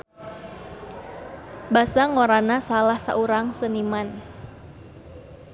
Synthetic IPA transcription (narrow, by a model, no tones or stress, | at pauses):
basaŋoɾanasalahsa̰ʔuɾaŋsəniman